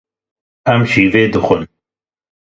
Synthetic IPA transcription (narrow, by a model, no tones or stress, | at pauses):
æmʃiːveːd̪ɨxʊn